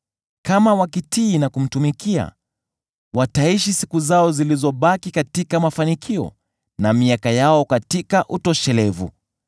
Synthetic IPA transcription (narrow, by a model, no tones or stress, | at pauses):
kamawakitiːnakum̩tumikia̰ | wataiʃisikuzaɔzilizɔɓakikatikamafanikʰiɔ̰ | namiakajaɔkatikaʔutɔʃɛlɛvṵ